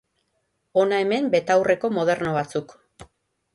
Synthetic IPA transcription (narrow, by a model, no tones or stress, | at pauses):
o̞nae̞me̞mbe̞t̪awre̞ko̞mo̞ð̞e̞ɾno̞β̞at͡suk